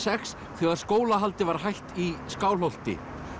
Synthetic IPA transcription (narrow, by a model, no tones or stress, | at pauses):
sɛxs | θɛɣaðskoːwlaɦalt̪ɪvaɾ̥ɦajht̪iskaːwl̥owl̥t̪ɪ̰